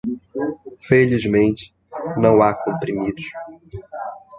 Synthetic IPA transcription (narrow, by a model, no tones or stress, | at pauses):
felizmẽnt͡ʃɪ̥ | nɐ̃w̃akõmpɾimid̪ʊʃ